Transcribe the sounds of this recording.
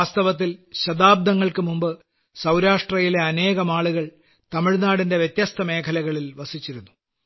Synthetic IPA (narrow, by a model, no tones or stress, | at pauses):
aːst̪ɐʋɐt̪̬ːilɕɐd̪aːb̚d̪ɐŋːɐɭkɨmumbɨ | sɐwɾaːʂʈrɐjile̞ɐne̞ːɣɐmaːɭuɣɐɭ | t̪ɐmiɻnaːɽinde̞ʋjet̪jɐst̪ʰɐme̞ːkʰɐlɐɣɐɭilʋɐsit͡ɕːiɾunːu